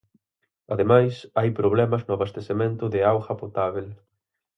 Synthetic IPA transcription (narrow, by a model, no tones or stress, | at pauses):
aðemajsajpɾoβ̞lɛmɐznʊaβast̪esemẽnt̪ʊðɪawxɐpot̪aβel